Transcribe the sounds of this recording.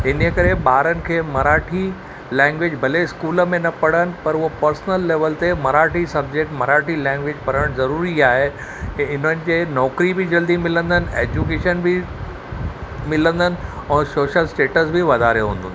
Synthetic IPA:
ɪnəkɐɾeɓaːɾənɪ̆kʰeːmɐɾaːʈʰi | lɛ̃ːŋɡʋed͡ʑbʱɐleskuːləmẽnɐpɐɽ̤ənɪ̆pɐɾʊɦopɐɾsnəlːeːʋəlt̪emɐɾaːʈʰisɐb̚d͡ʑek̚ʈmɐɾaːʈilɛ̃ːŋɡʋed͡ʑpɐɾəɽ̃zɐɾuːɾiaːɦe | ɪn̤ənɪ̆d͡ʑeːnɔːkɾibʱɪd͡ʑɐld̪imɪlə̃nd̪ənɪ̆eːd͡ʑukeːʃənbʱɪ | mɪlə̃nd̪ʱənɪ̆ɛ̃ːsoːʃəlsʈeːʈəsbʱɪʋɐd̪aːɾeɦũːnd̪ʱə̃n

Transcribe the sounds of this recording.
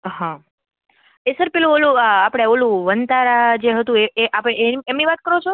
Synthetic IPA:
ɦã | esəɾpelũolũəapɽ̃eolũʋənt̪aɾad͡ʒeɦət̪ũeeʔapɽeeemniʋat̪̚kəɾot͡ʃʰo

